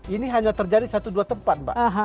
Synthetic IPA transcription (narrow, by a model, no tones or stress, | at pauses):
iniɦaɲat̪ərd͡ʒadisat̪uduat̪əmpat̪̚ba̰ʔɦã